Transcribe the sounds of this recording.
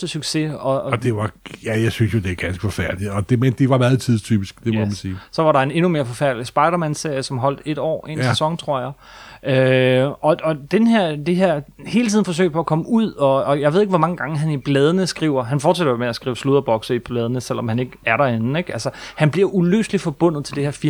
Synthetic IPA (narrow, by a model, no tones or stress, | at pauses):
d̥əsyɡ̥se̝ɒ̽d̥e̝ʋɑjæjäɪsynsjo̝d̥e̝æɐɡ̥ænsɡ̥ə̥fɒfæɐd̥liɒd̥emend̥e̝ʋɑ̈mæːð̩ˠt͡sʰiðˠst͡sʰy̰ːb̥isɡ̥d̥e̝mɔmænsiːsɒ̽ʋɑ̈ɾɑ̈ene̝nume̝ːɐfɒ̽fæɐ̰d̥lisb̥ɑ̈ɪɾɐmænse̝ɐ̰jəsɒ̽mɦɒ̽l̰d̥e̝d̥ɒ̰ːe̝sæsɒ̽ŋ̰t͡sʰʁo̝ɐ̰jɑ̈ɪ | ʔøɒ̽ɒ̽d̥enɦeɐ̰d̥eɦeɐ̰he̝ːlət͡sʰiðˠn̩fɒ̽s̬ø̰d̥̚pʰɒ̽ækʰɒ̽məuð̰ˠɒ̽ːjɑaɪe̝ð̞ˠe̝ɡ̥ʋɒ̽mɑ̈ŋəɡ̥ɑ̈ŋəɦænib̥lɛːð̞ˠənəsɡ̥ʁiʊ̰ɐɦænfɒ̰ːd̥t͡ssæd̥omeæsɡ̥ʁiːʊsluðˠɐb̥ɒ̽ɡ̥sɐib̥lɛːð̞ˠənəsel̰ɒ̽mhæne̝ɡ̥əæɐɾɑe̝nn̩eɡ̥ælsəhænb̥liɐulø̰ːslifɒ̽b̥ɔ̽n̰ð̞̩ˠt͡sʰe̝ld̥e̝heɐfi